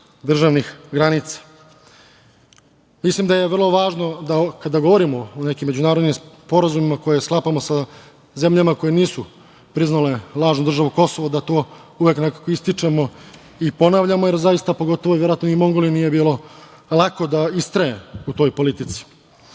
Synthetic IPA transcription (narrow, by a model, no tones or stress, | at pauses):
d̪r̩ʒaʋnixɡɾanit̪sḁ | mislimd̪aje̞ʋr̩lˠoʋaːʒno̞d̪akad̪aɡo̞ʋo̞ɾimo̞ːne̞kimːe̞d͡ʑunaːɾod̪nimspo̞ɾazumimako̞jesklˠapamo̞sa | ze̞mʎamako̞je̞niːsu | pɾiznale̞lˠaːʒnud̪r̩ʒaʋuko̞soʋod̪at̪o̞ː | uʋeknekakoist̪it͡ʂe̞mo̞ | ipo̞naʋʎamojeɾzajist̪apo̞ɡo̞t̪o̞ʋoʋjeɾoat̪noimo̞ŋɡoliniːje̞biːlo̞ | lˠako̞d̪aist̪ɾajḛut̪o̞jpo̞lit̪it̪si̥